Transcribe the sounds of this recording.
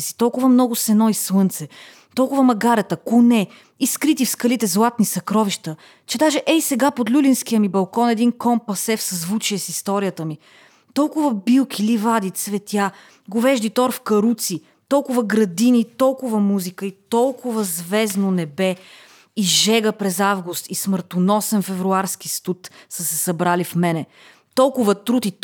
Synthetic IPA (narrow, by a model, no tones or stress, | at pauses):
si̥t̪ɔlˠkʊvəmnɔɡʊsɛnɔislɤnt̪sɛ | t̪ɔlˠkʊvəmɐɡaɾɛt̪əkʊnɛ | iskɾit̪ifskɐlit̪ɛzlˠat̪̚nisɐkɾɔviʃt̪ə | t͡ʃɛd̪aʒɛʔɛisɛɡapod̪lʲulinsk̟ijəmibɐlˠkɔnɛd̪inkɔmpɐsɛfsɐzvut͡ʃiɛsist̪ɔɾijət̪əmi | t̪ɔlˠkʊvəbilˠkʰilivad̪it̪svɛt̪ʲja | ɡovɛʒd̪it̪ɔɾfkɐɾut̪si | t̪ɔlˠkʊvəɡɾɐd̪init̪ɔlˠkʊvəmuzikəit̪ɔlˠkʊvəzvɛznonɛbɛ | iʒɛɡəpɾɛzavɡust̪isməɾt̪onɔsɛnfɛvɾuaɾskist̪ut̪səsɛsɐbɾalifmɛnɛ | t̪ɔlˠkʊvət̪ɾut̪i